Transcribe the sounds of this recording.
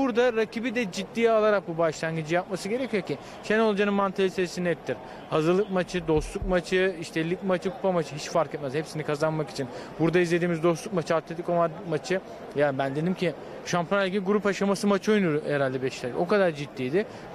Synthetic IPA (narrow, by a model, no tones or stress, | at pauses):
buɾd̪aɾacʰibid̪ɛd͡ʒit̪ːiːalˠaɾak̚bubaʃlˠaɲɡid͡ʒijap̚masɯɟe̞ɾecʰijo̞cʰi | ʃeno̞lˠad͡ʒanɯnmant̪ʰalʲiseɾsinɛt̪ʰːiɾ | hazɯɾlˠɯk̚mat͡ʃʰɯd̪o̞st̪lˠuk̚mat͡ʃʰɯiʃt̪ʰɛlʲːikmat͡ʃʰɯkʰu̥pʰamat͡ʃʰɯɦit͡ʃfaɾkɛt̪mɛz̥hepsinikʰazanmaki̥t͡ʃʰinbuɾd̪aizlʲed̪iːmizd̪o̞slˠuk̚mat͡ʃʰɯat̪lʲet̪i̥komamat͡ʃʰɯ | jabænd̪e̞d̪imcʰi | ʃampʰjonɛlʲɟiɡuɾupaʃamasɯmat͡ʃʰojnuɾɛɾalʲd̪ɛbɛʃlʲɛɾɛko̞kad̪aɾd͡ʒit̪ːiːd̪ɪ